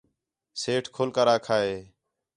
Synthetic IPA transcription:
seːʈʰkʰoːlkəɾaːkʰaːɦeː

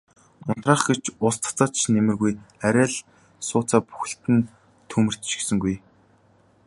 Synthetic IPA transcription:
ʊn̥t̪raːχɡet͡ɕʰʊst͡s̪ʰt͡saːt͡ɕʰnemɘ̆rɣujæɾʲæːɮ | sʊːt͡saːpu̥xɘ̆ɬt̪ɘ̆n | t̪ʰumɘ̆r̥t̪ʃĭ̥sɘ̆ŋɡuj

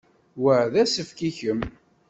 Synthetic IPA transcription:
wəʕðæsəfkiçəm

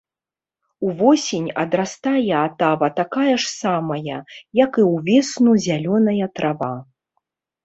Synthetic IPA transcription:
uvɔsʲenʲɐd̪ɾast̪ajɛat̪avɐt̪akajɐʂsamɐjɐjɐkɨwvʲɛsnuzʲalʲɔnɐjɐt̪ɾava

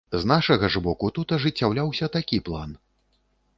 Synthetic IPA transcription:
znaʂɐɣɐʐbɔkut̪ut̪ɐʐɨt͡sʲːawlʲawsʲɐt̪akʲiplˠa̰n

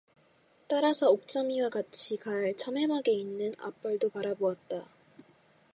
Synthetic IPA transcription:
t͈aɾasʰʌok̚t͡ɕ͈ʌmiwakat͡ɕʰikaɭt͡ɕʰʌmɦe̞maɡe̞inːɯna̰p͈ʌɭdopaɾaboat̚t͈a

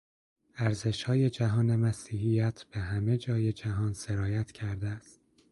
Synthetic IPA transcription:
æɾze̞ʃhɒːje̞d͡ʒæɦɒːne̞mæsiːhijæt̪ʰb̥eɦæme̞d͡ʒɒːje̞d͡ʒæɦɒːnse̞ɾɒːjæt̪ʰcʰæɾd̪eæst̪̚

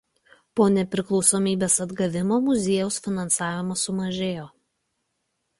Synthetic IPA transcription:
poːnʲɛpʲɾʲɪklˠɒʊsoːmʲiːbʲeːsɐd̪ɡɐʋʲɪmoːmʊzʲeːjɛʊsfʲɪnɐnsɑːʋʲɪmɐsʊmɐʒʲeːjoː

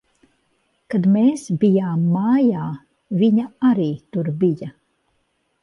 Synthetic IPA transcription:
kad̪meːsbijaːmːaːjaː | viɲaaɾiːt̪uɾbija

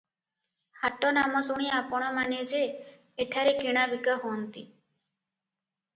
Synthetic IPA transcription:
haʈɔnamɔsuɽ̃iapɔɽ̃ɔmaned͡ʒeː | ʈʰaɾekiɽ̃abikaɦoɔnt̪ḭ

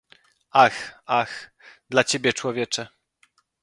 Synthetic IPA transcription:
axax | d̪lat͡ɕebʲjɛt͡ʂwɔvʲjɛt͡ʂɛ

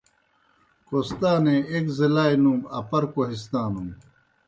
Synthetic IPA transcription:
kost̪aːneekzilaːjnumɐpɐɾkoɦis̬t̪aːnum

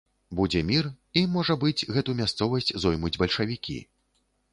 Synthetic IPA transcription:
bud͡zʲɛmʲir | imɔʐɐbɨd͡zʲɣɛt̪umʲast̪sɔvɐsʲt͡sʲzɔjmud͡zʲbɐlʲʂɐvʲikʲḭ

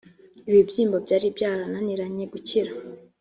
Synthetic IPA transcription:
iβibjiːmbo̞bɟaːɾibjaːɾananiɾaɲeɡuciɾa

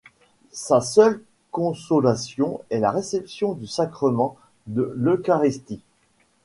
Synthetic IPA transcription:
sasœl | kɔ̃sɔlasjɔ̃ɛla̰ʁesɛpsjɔ̃d̪ysakχəmɑ̃ | d̪əløkaʁist̪i

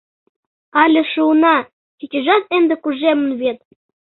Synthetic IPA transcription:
ɑlʲĕʃunɑ | kit͡ɕʲɘ̆ʒɑt̪end̪ĕkuʒemə̆nβet̪̚

